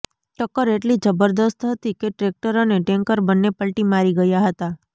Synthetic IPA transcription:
ʈəkːəɾeʈlid͡ʒəbəɾd̪əst̪ɦət̪ikeʈɾek̚ʈəɾoneʈeŋkəɾbənːepəlʈimaɾiɡəjaɦət̪a

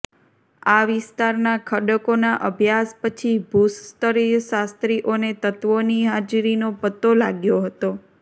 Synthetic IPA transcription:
aʋɪst̪aɾnakʰəɖəkonaʔəbʱjaspət͡ʃʰibʱust̪əɾisast̪ɾiʔonet̪ət̪ʋoniɦad͡ʒɾinopət̪ːolaɡjoɦət̪o

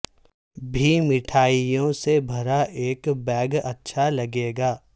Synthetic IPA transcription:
bʱimɪʈʰaːijõsebʱɐɾaʔeːkbɛːɡɐtːʃʰalɐɡeːɡaː

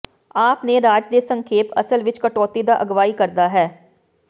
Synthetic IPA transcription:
aːpneːɾaːd͡ʒd̪eːsə̃ŋkʰeːpə̰səlʋɪt͡ʃkəʈɔːt̪iːd̪aːʔəɡʋaːiːkəɾd̪aːɦɛː

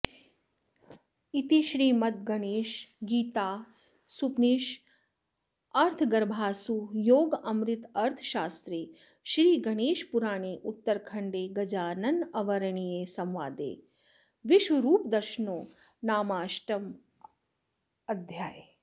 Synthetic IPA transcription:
it̪iʃɾiːmɐt̪̚ɡɐɽeːʃɡiːt̪aː | supniːʃ | ɐɾt̪ʰɡɐɾbʱaːsujoːɡɐmɾɪt̪ɐɾt̪ʰʃaːst̪ɾeː | ʃɾiːɡɐɽ̃eːʃpuɾaːɳ̃eːʔut̪ːəɾkʰɐɳɖeːɡɐd͡ʒaːnɐnɐʋɐɾəɳijeːsɐmʋaːd̪ḛː | ʋɪʃʋɐɾuːpd̪ɐɾʃənoː | naːmaːʃʈɐm | ɐd̪ʱjaːj

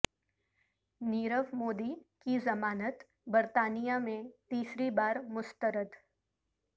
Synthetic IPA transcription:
niːɾəʋmoːd̪ikizɐmaːnət̪ | bəɾt̪aːnijamẽt̪iːsɾibaːɾmʊst̪əɾəd̪

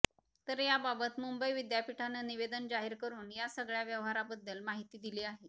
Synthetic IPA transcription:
t̪əɾjababət̪mumbəiʋid̪japiʈʰanəniʋed̪ənd͡zaɦiɾkəɾuːnjasəɡɭjaʋjəʋɦaɾabəd̪ːəlmaɦit̪iːd̪iliːaɦe

